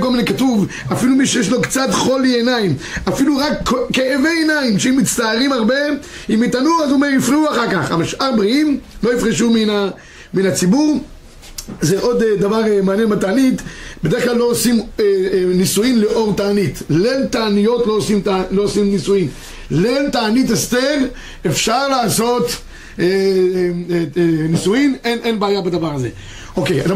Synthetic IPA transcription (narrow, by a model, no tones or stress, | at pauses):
kolminekatuv | afilumiʃejeʃ̬lokt͡satχolienaimafiluʁakːeeveenaimʃeimːit͡st̪aːʁimaʁbe̞ | imitanuazumeifʁiuaχaʁkaχa̰maʃaʁbʁiimlo̞ifʁiʃumiina | minat͡sibuʁ | zeʔod̪d̪avaʁmaːnjenbalt̪aːnitbede̞ʁklalːo̞osim | nisujimleʔo̞ʁt̪aːnitlentaːnijo̞tloosimloosimnisujim | lentaːnitast̪en | efʃaʁlaːso̞t̪ | e | nisujimenʔenbeaːjabad̪avaʁaze̞̰ | o̞kejada